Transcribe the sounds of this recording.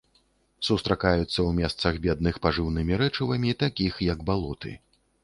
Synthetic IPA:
sust̪ɾakajut̪sːɐwmʲɛst̪sɐɣbʲɛd̪nɨxpaʐɨwnɨmʲiɾɛt͡ʂɨvɐmʲit̪akʲixjɐɡbalˠɔt̪ɨ̰

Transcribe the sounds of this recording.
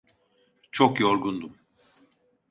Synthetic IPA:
t͡ʃʰokjoɾɡund̪um

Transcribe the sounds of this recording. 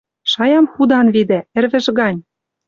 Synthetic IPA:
ʃɑjɑmxud̪ɑnβid̪ĕɘ̆rβɘ̆ʒɣɑnʲ

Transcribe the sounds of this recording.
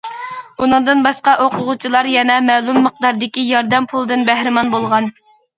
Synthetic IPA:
unɨɴd̪ɨnbɑʃqɑʔoqʰʊʁut͡ʃʰilˠɑɾjɛnɛmæːlˠumːəq̚d̪ɑɾd̪ɪkʲijɑɾd̪ɛmpʰulˠd̪ɨnbæhɾɪmɑnbolˠʁɑn

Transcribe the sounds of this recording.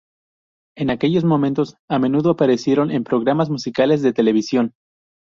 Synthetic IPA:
e̞nake̞ʝo̞zmõ̞mẽnt̪o̞same̞nuðoapaɾe̞sje̞ɾo̞ne̞mpɾo̞ɣɾamazmusikale̞zðe̞t̪e̞le̞β̞isjo̞n

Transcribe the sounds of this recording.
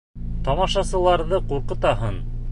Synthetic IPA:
t̪ɒmɑʃɑsɤ̆lˠɑɾðɤquɾqɤ̆t̪ɑɦɤn

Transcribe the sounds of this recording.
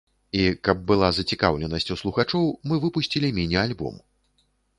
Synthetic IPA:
ikɐb̚ːɨlˠazɐt͡sʲika̰wlʲɛnɐsʲt͡sʲuslˠuxat͡ʂɔwmɨvɨpusʲt͡sʲilʲimʲinʲɛalʲbɔ̰m

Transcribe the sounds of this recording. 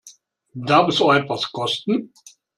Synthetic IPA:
daɐfɛsɔɛtvaskʰɔstn̩

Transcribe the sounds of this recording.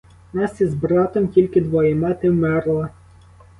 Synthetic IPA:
nɑsjizbɾɑt̪ɔmkʲilʲkɪd̪ʋɔjɛmɑt̪ɪwmɛɾlˠɐ

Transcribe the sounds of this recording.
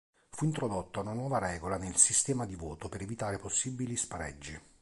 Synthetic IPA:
fuint̪ɾod̪ot̪ːaunanwɔːvaɾɛːɡolanelsist̪ɛːmad̪ivɔːt̪opeɾevit̪aːɾeposːibːilispaɾɛ̰d͡ʒːi

